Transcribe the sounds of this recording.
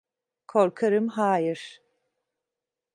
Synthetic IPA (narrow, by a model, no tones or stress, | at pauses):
kʰoɾkʰaɾɯmɦaːjiɾ̥